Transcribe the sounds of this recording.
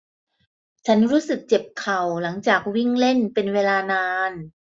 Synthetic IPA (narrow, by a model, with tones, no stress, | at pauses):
t͡ɕʰa˦˥nɾuː˦˥sɯ˨˩k̚t͡ɕe˨˩p̚kʰa˨˩wla˩˦ŋt͡ɕaː˨˩k̚wi˥˩ŋle˥˩npe˧nweː˧laː˧naː˧n